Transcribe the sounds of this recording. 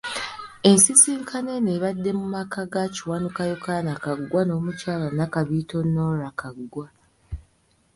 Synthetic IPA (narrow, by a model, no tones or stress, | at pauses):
e̞nsisiːŋkʰane̞neβadːe̞mumakʰaɡaciwanukajokanakaɡːwano̞ːmucaːlanakaβito̞nːo̞ɾakʰaɡːwa